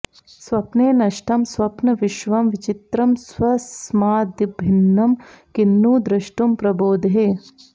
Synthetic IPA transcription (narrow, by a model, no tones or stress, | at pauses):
sʋɐpneːnɐʃʈɐmsʋɐpnɐʋiʃʋɐmʋit͡ʃit̪ɾɐmsʋɐsmaːd̪ibʱinːɐmkinːuːd̪ɾɐʃʈumpɾɐboːd̪ɦeː